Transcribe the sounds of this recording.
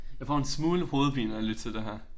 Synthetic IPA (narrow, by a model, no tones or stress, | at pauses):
jɑ̈ɪfɒ̰ːe̝nsmuːləho̝ːðˠb̥ʰḭːnɐæled̥̚t͡sʰe̝ld̥eɦæɐ̰